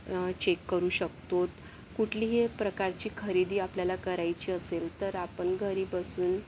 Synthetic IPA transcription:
t͡ɕekːəɾuːɕək̚t̪ot̪ | kuʈʰliːɦepɾəkaɾt͡ɕiːkʰəɾid̪iːapljalakəɾajt͡ɕiːəselt̪əɾapəɳɡʱəɾiːbəsuːn

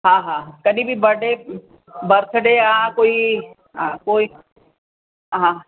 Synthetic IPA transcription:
ɦãːɦãːkɐɗĩbʱibɐɽe | bɐɾt̪ʰɖeakoːi | ɦãkoːi | ɦãː

